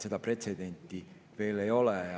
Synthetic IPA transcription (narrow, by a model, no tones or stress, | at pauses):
se̞d̪ɑpre̞t̪se̞d̪e̞nt̪ːˑi | ve̞ːlejo̞le